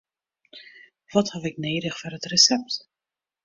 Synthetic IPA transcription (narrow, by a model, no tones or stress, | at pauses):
ʋɔthafɪkneːɾəχfɔrətrəsɛp̚t